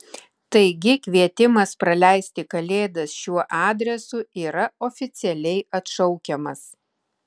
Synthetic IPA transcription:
t̪ɐɪɡʲɪkʲʋʲiɛt̪ʲɪmɐspɾɐlʲæˑɪsʲt̪ʲɪkɐlʲeːd̪ɐsʃʲuɔʔɑːd̪ʲɾʲɛsʊiːɾɐɔːfʲɪt̪sʲɪɛlʲɛɪɐt̪ʃɒʊkʲɛmɐs

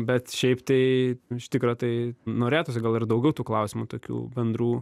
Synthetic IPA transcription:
bʲɛt̪ʃʲɛɪpt̪ɐɪɪʃt̪ʲɪkɾoːt̪ɐɪnoːɾʲeːt̪oːs̬ʲɪɡɐlˠɪrd̪ɐʊɡʲɛʊt̪uːklˠɐʊsʲɪmut̪oːkʲṵːbʲɛnd̪ɾuː

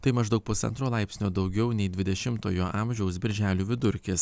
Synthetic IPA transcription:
t̪ɐɪmɐʒd̪ɐʊk̚pʊsɐ̰nt̪ɾoːlˠɑɪpʲsʲnʲoːd̪ɒʊɡʲɛʊnʲɛɪd̪ʲʋʲɪd̪ʲɛʃʲɪmt̪o̰ːjoːʔɑmʲʒʲɛʊsbʲɪɾʲʒʲæːlʲuːʋʲɪd̪ʊɾʲkkʲɪs

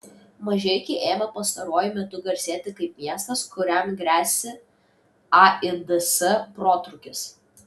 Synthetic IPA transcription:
mɐʒʲɛkʲɛɪʔeːmɐpɐst̪ɐɾoːjʊmʲɛt̪ʊɡɐɾʲsʲeːt̪ʲɪkɐɪp̚mʲiɛst̪ɐskʊɾʲæmɡɾʲæːsʲɪ | ɑɪd̪ɛsɛpɾoːt̪ɾʊkʲɪs

